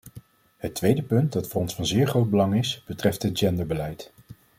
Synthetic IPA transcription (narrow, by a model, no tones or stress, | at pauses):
ɦətʋejdəpɵnt̚dɑtfʊːrɔnsfɑnzɪːɹχrowd̚bəlɑŋɪsb̥ətrɛftɦəd̚d͡ʒɛndəɹbəlɛjt